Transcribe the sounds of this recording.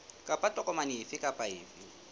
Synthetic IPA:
kʼapʼatʼɔkʼɔmaniːfɪkʼapʼaiːfi

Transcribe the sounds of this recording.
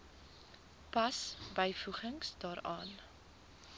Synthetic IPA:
pɐsbəjfuχəŋsdɑːɾɑ̰ːn

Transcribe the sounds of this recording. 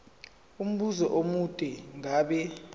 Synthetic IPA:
um̩ɓuzɔʔomutʼɛŋaɓɛ

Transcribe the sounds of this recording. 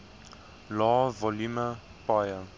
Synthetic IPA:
lɔvɔlumə | pajə

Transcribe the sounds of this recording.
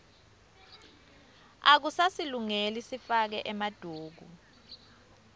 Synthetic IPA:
ak̬usasiluŋelisifak̬ɛʔɛmad̥ʱuːɡ̬ʱu

